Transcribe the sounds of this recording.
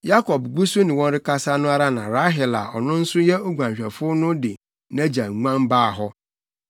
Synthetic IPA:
ja˦kʰɔ˨bɡu˦so˦nɪ̃˨wɔ̃˦n˦ɾɪ˦ka˦sa˦nʊ̃˦a˦ɾa˦nã˨ɾa˦ɦɪ˨la̰˨ɔ̰˨nʊ̃˦n̩˦sʊ˦jɛ˦o˦ɡʷã˨ɲɕᶣɛ˨fʊ˦nʊ̃˦dɪ˨ | nã˦d͡ʑa˨ŋ̩˨ŋʷã˦nbaː˦˨ɦɔ˦

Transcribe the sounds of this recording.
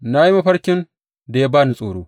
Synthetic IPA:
na˦ji˦ma˦ɸɐ˦ɽkʲɪ˦n | da˨ja˦baː˦ni˨sʼoː˨ɽoː˦

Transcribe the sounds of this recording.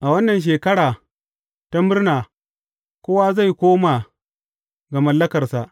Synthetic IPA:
ʔa˨wɐ˦nːɐ˨nʃ̬eː˨kɐ˦ɽaː˨ | ta˦mɪ˦rnaː˨ | kʷoː˦wa˦za˦˨jkʷoː˦ma˨ | ɡa˨mɐ˨lːɐ˦kɐ˨rsa˨ʔ

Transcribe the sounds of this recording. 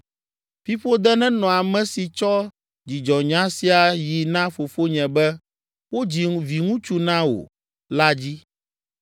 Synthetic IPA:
fi˦ɸo˦d̪ɛ˦nɛ̃˦nɔ̃˨a˨mɛ̃˦si˨t͡ʃɔ˦ | d͡ʑi˨d͡ʒɔ˨ɲã˦si˦a˨ji˨nã˦fo˨fo˦ɲɛ̃˨bɛ˦ | wo˦d͡ʑi˨vi˨ŋũ˦t͡ʃu˦nã˦wo̰˨ | la˦d͡ʑi˦

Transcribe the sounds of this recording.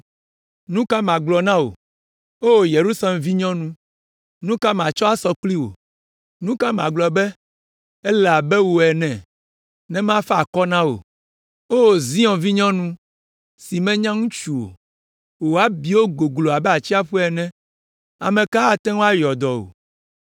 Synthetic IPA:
nũ˦ka˦mã˨ɡ͡blɔ˨nã˦wo̰˨ | o˦wo˨je˨ɾu˦sa˦lɛ˨mvi˦ɲɔ̃˦nũ˦ | nũ˦ka˦mã˨t͡ʃɔ˦a˦sɔ˨k͡pli˦wo̰˨ | nũ˦ka˦mã˨ɡ͡blɔ˨bɛ˦ | ɛ˦lɛ˨a˨bɛ˦wo˨ɛ˨nɛ̃˨ | nɛ̃˦m˦ã˦fɛ˦a˨kɔ˦nã˦wo̰˨ | o˦wo˨zĩ˦ɔ̃˨vi˦ɲɔ̃˦nũ˦ | si˨mɛ̃˦ɲã˦ŋũ˦t͡ʃu˨wo̰˨ | wo˨a˦bi˨wo˦ɡo˨ɡlo˨a˨bɛ˦a˨t͡ɕi˦a˦ɸu˦ɛ˨nɛ̃˦ | a̰˨mɛ̃˨ka˦a˦t̪ɛ̃˦ŋõ˦a˦jɔ˨d̪ɔ˨o̰˨

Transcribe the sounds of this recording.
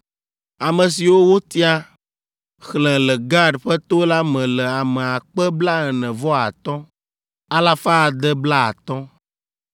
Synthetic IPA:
a˨mə̃˨si˨wo˦wo˦t̪i˦a˦ | xlɛ̃˨lɛ˨ɡa˦ɖɸɛ˦t̪o˦la˦mɛ̃˨lɛ˨a˨mɛ̃˨a˨k͡pɛ˦bla˦ɛ˨nɛ̃˨vɔ˦a˨t̪ɔ̃˦ | a˦la˦fa˦˨d̪ɛ˦bla˦a̰˨t̪ɔ̃˦

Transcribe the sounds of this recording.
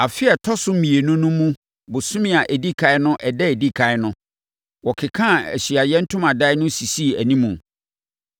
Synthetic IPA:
a˨fɪ˦ɛ˨tʰɔ˦sʊ˦m̩˦mĩ˨e˨nʊ̃˦nʊ̃˦mũ˦ | bʊ˨sʊ̃˦mĩ˦˨a˨ʔæ˨di˦kʰa˨˦ɪ˦nʊ̃˦ʔɛ˨dɛ˦e˨di˦kʰa˦ɪ˦nʊ̃˦ | wɔ˨kʰɪ˨kʰã˦˨æ̰˨ɕi˨a˨jɛ˦n̩˦tʰʊ̃˦mã˨da˦ɪ˦nʊ̃˦si˨si˦˨æ˨nĩ˦mũ˨

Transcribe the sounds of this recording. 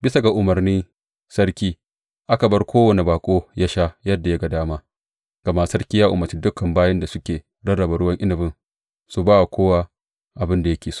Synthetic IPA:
bɪ˦sa˨ɡa˨ʔʊ˨mɐ˨rniː˦ | sɐ˦ɾkʲiː˦ | ʔa˦ka˨bɐ˦rkʷoː˦wɐ˦ni˨baː˨kʷʼoː˦ja˦ʃa˦jɐ˦dːa˨ja˦ɡa˨daː˦maː˦ | ɡ̥ɐ˨ma˦sɐ˦ɾkʲiː˦jaː˦ʔʊ̰˨mɐ˨ɾt͡ʃi˦dʊ˦kːɐ˨mbaː˦jɐ˦nda˨sʊ˦kʲeː˨ | dɐ˦ɽɐ˨ba˨ɽʊ˦wɐ˦ŋʔɪ˦nɪ˨bɪ˦n | su˨baː˦wa˨kʷoː˦wa˦ | ʔa˨bɪ˦nda˨jɐ˦kʲeː˨s

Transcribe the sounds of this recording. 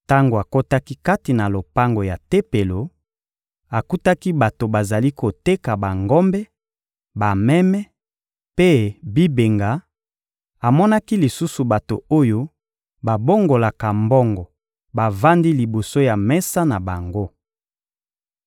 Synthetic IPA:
ta˦ŋɡo˨a˨ko˦ta˦ki˦ka˦ti˨na˨lo˨pa˦ŋɡo˨ja˨te˦pe˨lo˨ | a˨ku˦ta˦ki˦ba˨to˨ba˨za˨li˦ko˨te˦ka˨ba˨ŋɡɔ˦mbɛ˦ | ba˨mɛ˦mɛ˦ | pe˦bi˦be˨ŋɡa˨ | a˨mɔ˦na˦ki˦li˨su˦su˨ba˨to̰˨o˦jo˦ | ba˨bo˦ŋɡo˨la˨ka˨mbɔ˦ŋɡɔ˨ | ba˨va˦ndi˦li˨bo˨so˦ja˨mɛ˦sa˦na˨ba˨ŋɡo˦

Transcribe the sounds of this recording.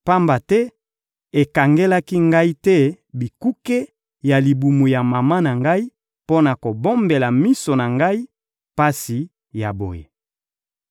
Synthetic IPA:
pa˦mba˨tɛ˦ | e˨ka˨ŋɡe˦la˦ki˦ŋɡa˦i˦tɛ˦ | bi˨ku˦ke˦ | ja˨li˨bu˨mu˨ja˨ma˨ma˦na˨ŋɡa˦i˦ | po˦na˨ko˨bo˦mbe˨la˨mi˦so˨na˨ŋɡa˦i˦ | pa˦si˨ | ja̰˨bo̰˨jḛ˨

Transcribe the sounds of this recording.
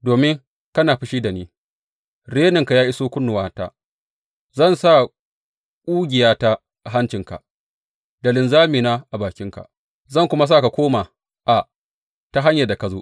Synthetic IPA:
doː˨mɪ˦ŋ | kɐ˦naː˨ɸɪ˦ʃiː˦da˨niː˦ | ɽeː˦nɪ˨ŋka˨jaː˦ʔɪ˦soː˦kʷʊ˦nːʊ˨waː˦ta̰ː˦ | zɐ˦˨nsa˦˨ | kʷʼuː˦ɡʲɪ˨jaː˦ta˦ | ʔa˨ɦa˦nt͡ʃɪ˨ŋka̰˨ʔ | dɐ˨lɪ˨nzaː˦miː˨naː˦ʔa˨baː˨kʲɪ˦ŋka̰˨ | zɐ˦˨ŋkʷʊ˦ma˦s̬a˦˨ka˨kʷoː˦maː˨ | ʔa˨ | ta˦ɦa˦ɲjɐ˨da˨ka˨zoː˦ʔ

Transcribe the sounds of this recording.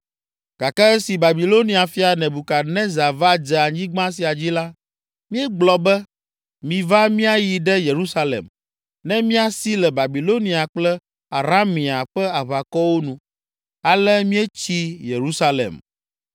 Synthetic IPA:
ɡ̥a˨ka˦e˦si˨ba˨bi˨lo˦nĩ˦a˨fi˦a˨nɛ̃˨bu˨ka˨nɛ̃˦za˨va˦d͡ʒɛ˨a˨ɲĩ˦ɡ͡bã˦s̬i˨a˨d͡ʑi˦la˦ | mĩ˦ɛ˦ɡ͡blɔ˨bɛ˦ | mĩ˨va˦mĩ˦a˦ji˨ɖɛ˦je˨ɾu˦sa˦lḛ˨m | nɛ̃˦mĩ˦a˨si˦lɛ˨ba˨bi˨lo˦nĩ˨a˨k͡plɛ˦ | a˨ɾa˦mĩ˨a˨ɸɛ˦a˨βa˨kɔ˦wo˦nũ˨ | a˨lɛ˦mĩ˦ɛ˦t͡ɕi˦je˨ɾu˦sa˦lḛ˨m

